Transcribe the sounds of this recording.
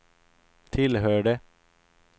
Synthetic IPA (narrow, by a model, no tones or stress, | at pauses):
t̪ʰɪlhøːɖə